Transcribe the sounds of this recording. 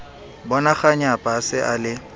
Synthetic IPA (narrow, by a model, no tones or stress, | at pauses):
bɔnaχaɲapʼasɪʔalɪ